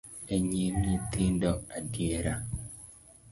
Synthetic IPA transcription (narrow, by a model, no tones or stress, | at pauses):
eɲimɲit̪iːndoadieɾa